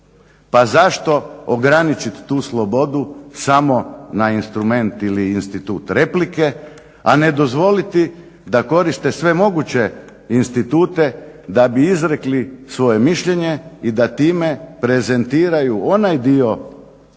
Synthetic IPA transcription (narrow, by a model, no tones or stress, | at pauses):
pazaʃt̪o̞oɡɾanit͡ʃit̪ːuːslˠo̞bo̞d̪usamo̞nainst̪ɾume̞nt̪iliːnst̪it̪uːt̪ɾe̞plike̞ | ane̞d̪o̞zʋo̞lit̪i | d̪ako̞ɾist̪e̞sʋe̞mo̞ɡut͡ɕe̞ | inst̪it̪uːt̪e̞d̪abiizɾe̞klisʋo̞je̞miʃʎe̞ɲe̞id̪at̪iːme̞pɾe̞ze̞nt̪iːɾajuo̞najd̪io̞